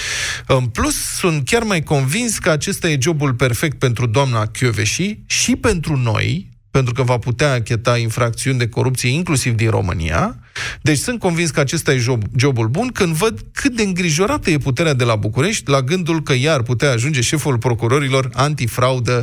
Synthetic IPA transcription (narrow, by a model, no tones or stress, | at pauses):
ɨnplusːunt̪̚kʲarmajko̞nvinskəat͡ʃe̞st̪aje̞d͡ʒo̞bulpe̞rfe̞k̚t̪̚pe̞nt̪ɾud̪oamnakʲuveʃiʃipe̞nt̪ɾuno̞̰j | pe̞nt̪ɾukəvaput̪eaːkʲe̞t̪ainfɾak̚t̪siund̪e̞ko̞ɾupt̪sije̞iŋklusivd̪inro̞̰mɨ̰nḭja̰ | d̪e̞t͡ʃʲsɨnt̪̚ko̞nvinskəat͡ʃe̞st̪aje̞ʒobd͡ʒo̞bulbunkɨnd̪vəd̪kʰɨt̪̚d̪e̞ɨŋɡɾiʒo̞ɾat̪əje̞put̪̬e̞ɾead̪e̞labukuɾe̞ʃt̪ʲlaɡɨnd̪ulkəjaːrput̪eaːʒund͡ʒe̞ʃe̞fulpɾo̞kuɾo̞ɾilo̞rant̪ifɾaud̪ə